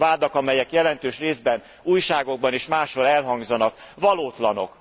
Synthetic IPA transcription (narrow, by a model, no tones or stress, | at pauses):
vaːd̪ɒkɒmɛjɛkjɛlɛnt̪øːʃreːzbɛn | uːjʃaːɡo̞ɡ̚bɒneːʃmaːʃho̞ɾɛlɦɒŋɡzɒnɒk | vɒloːt̪lɒno̞̰k